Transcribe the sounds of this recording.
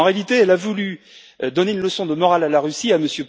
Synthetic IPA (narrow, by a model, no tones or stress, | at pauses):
ɑ̃ʁealit̪eɛlavuly | d̪ɔneynləsɔ̃d̪əmɔʁalalaʁysiaməsjøp